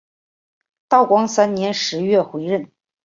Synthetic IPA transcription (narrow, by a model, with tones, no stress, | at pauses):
t̪ɑ˥˩ʊkwɑ˥ŋsa˥nnjɛ˧˥nʂɻ̩˧˥ɥɛ˥˩xwe˧˥ɪɻə˥˩n